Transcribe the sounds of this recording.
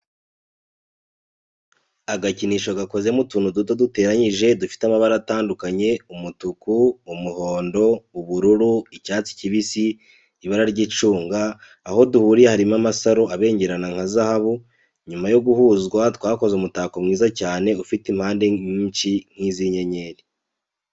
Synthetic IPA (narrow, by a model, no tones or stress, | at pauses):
aɡaciniːʃo̞ɡako̞zemutuːnudutodute̞ːɾaɲiʒe̞dufi̥tamaβaɾataːndukaɲe̞umutukuːmuho̞ːndo̞uβuɾuɾuicaːt͡si̥ciβisiː | βaɾaɾɟit͡ʃuːŋɡaː | ho̞duhuːɾijehaɾimamasaɾo̞aβe̞ːɲɟe̞ɾanaŋhazahaβu | ɲumajo̞ɡuhuːzɡwatwaːko̞zeumutaːkomŋiːzacaːne̞ufitim̥haːnde̞ɲiːnt͡ʃiŋ̥hiziɲe̞ɲe̞ːɾi